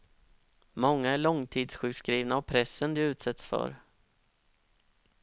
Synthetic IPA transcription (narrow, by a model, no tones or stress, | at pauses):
mɔŋːaæɭɔŋt̪ʰiːd̪sɧʉ̟ːkskɾiːvnaːvpʰɾɛsːənd̪ɛʉ̟ːt̪sɛt̪sfœ̰ɾ